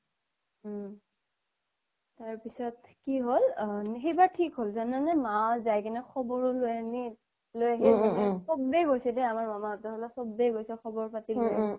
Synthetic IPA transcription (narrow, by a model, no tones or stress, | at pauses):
taɹpisɔtkiɦolnxejbaɹtʰikɦolzananɛmazajkɛnɛxʰɔbɔɹʊlojani | lojaɦibanɛsɔbːeɡojsɛdɛamaɹmamaɔtɔɹɦɔlasɔbːejɡojsɛxɔbɔɹpatilo